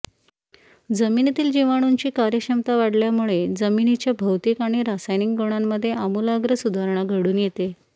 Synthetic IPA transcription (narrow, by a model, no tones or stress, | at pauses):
d͡zəmint̪iːld͡ʑiʋaɽ̃uɲt͡ɕiːkaɾjəkɕəmt̪aʋaɽljamuɭed͡zəminit͡ɕjabʱəwt̪iːkaɽ̃iɾasajnikɡoɳ̃amːəd̪ʱːjeamuːlaɡɾəsud̪ʱaɾɳ̃aɡʱəɽuːnjet̪e